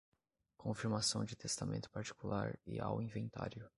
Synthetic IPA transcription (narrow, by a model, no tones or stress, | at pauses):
kʰõfiɾmasɐ̃w̃d͡ʒɪt̪est̪amʔẽnt̪ʊ̥paɾt͡ʃi̥kulaɾɪa̰wĩvẽnt̪a̰ɾjʊ